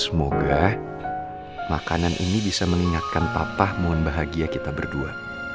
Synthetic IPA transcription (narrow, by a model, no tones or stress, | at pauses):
səmoɡa | ma̰kananʔḭnibisaməŋiŋat̪̚kanpapahmuanbaɦaɡiakit̪abərdua